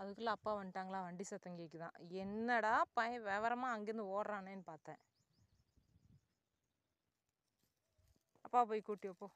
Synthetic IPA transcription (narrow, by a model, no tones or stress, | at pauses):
ɐðɯkːɯlːɐɐpːaːʋɐɳʈaːŋɡɐɭãːʋɐɳɖisɐt̪ːɐŋɡeːkːɯt̪ã̰ːɛnːɐɽaːpɐjɐ̃ʋɛːʋɐɾɐmaːɐŋɡeɾɯnd̪ɯoːɽɐɾaːneːnːɯpaːɾt̪ɛ̰̃ː | ɐpːaːpoːjikuːʈːɪɐpːoː